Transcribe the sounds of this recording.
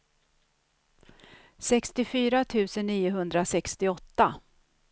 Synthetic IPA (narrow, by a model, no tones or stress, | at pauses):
sɛkst̪ɪfyːɾat̪ʰʉ̟ːsənːiːʊɦɵnd̪ɾasɛkst̪ɪɔt̪ːa